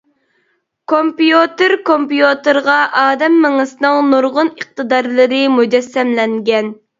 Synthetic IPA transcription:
kʰompijut̪ɨɾkompjut̪ɨɾʁɑʔɑːd̪ɛmːɪŋɨsɨnɨŋnuɾʁʊnəχ̚t̪ɨd̪ɑɾlˠɨɾɨmud͡ʒɛsːɛmlɛŋɡʲɛn

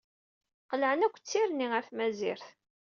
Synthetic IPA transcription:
qəlʕənækʷːt͡sːiɾniəɾθmæzḭɾθ

